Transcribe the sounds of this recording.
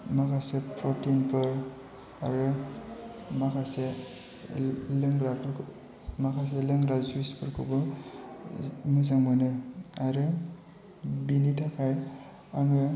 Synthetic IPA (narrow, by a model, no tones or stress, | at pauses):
makʰasepʰɔɾtinpʰɯɾ | a̰ɾɯ | makʰase | lɯŋɡɾabʰɾ | makʰas̬elɯŋɾazuispʰɯɾkʰɯbɯ | mɯz̬aŋmɯnɯaɾɯ | binitʰakʰaj | aŋɯ